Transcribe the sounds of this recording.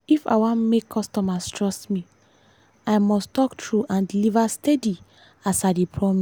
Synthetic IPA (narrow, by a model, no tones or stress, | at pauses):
ifa̰wamekʰːɔstɔmastɹɔstmi | aɪmɔstɔktʰɹuʔãndilivastɛdi | asadipʰɹɔmis